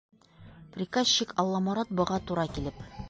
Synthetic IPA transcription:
prʲɪkazɕikɒlˠːɑmɑɾɑt̪̚bɤ̆ʁɑt̪uɾɑkilɘp

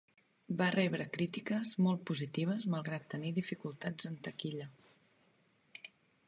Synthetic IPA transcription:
barɛβ̞ɾəkɾit̪ikəzmɔlˠt̪̚puzit̪iβ̞əzməlˠɣɾat̪ːəniðifikulˠt̪ad͡zənt̪əkiʎə

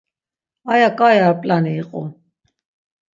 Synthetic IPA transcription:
ajakʼajaːpʼlaniːqʼṵ

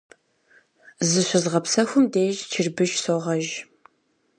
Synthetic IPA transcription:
zɨɕʷʊzʁɐpsɐxʷʊmdeːʒt͡ʃʰɪrbɨʃsoːʁɐʒ

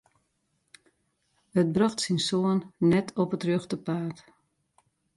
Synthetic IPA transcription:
ət̚brɔxtsinsoənːɛtʰɔpətrøxtəpaːt

